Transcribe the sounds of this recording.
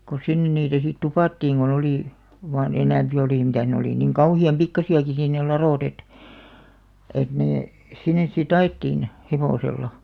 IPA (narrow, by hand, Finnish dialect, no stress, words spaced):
ko sinːen niːtæ sit tupɑˑtːiːŋ ɡ̊on oliˑ ʋɑːn enæmpi oliˑ mitæˑh̆ ne oliˑ niŋ kɑuhiɑm pikːɑsiɑki siˑn ne lɑroˑt et et neː sinˑes sit ɑetːiːn heʋoˑselːɑ